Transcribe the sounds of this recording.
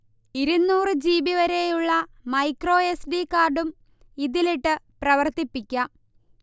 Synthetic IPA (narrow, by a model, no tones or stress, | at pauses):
iɾunːuːrɨd͡ʑiːbiʋɐɾejuɭːɐmɐjkro̞ːesɖikːaːrɖum | iðiliʈːɨprɐʋɐrt̪ipːikʲːɐ